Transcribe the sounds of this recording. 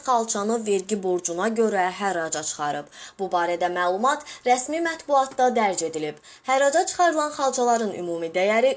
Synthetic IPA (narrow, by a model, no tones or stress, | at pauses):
χɑlˠt͡ʃʰɑnɯve̞ɾɟibo̞ɾd͡ʒunɑɟø̞ɾæɦæɾɑd͡ʒɑt͡ʃʰɯ̥χɑɾɯbbubɑːɾæd̪æmæːlˠumɑt̪ɾæsmimæt̪buɑt̪d̪ɑd̪æɾd͡ʒe̞d̪ilib̥ | hæɾɑd͡ʒɑt͡ʃʰɯ̥χɑɾɯlˠɑnχɑlˠd͡ʒʰɑlˠɑɾɯnʔy̰muːmid̪æjæɾi